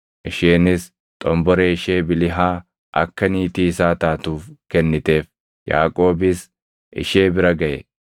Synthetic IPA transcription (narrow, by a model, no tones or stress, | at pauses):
ʔɪʃeːnɪs | t̪ʼɔmbɔɾeɪʃeːbɪlɪɦaː | ʔɐkːɐniːt̪iːsaːt̪aːt̪uːfkɛnːɪt̪e̞ːf | ja̰ːkʼo̞ːbɪs | ʔɪ̰ʃeːbɪɾɐɡɐjɛ̰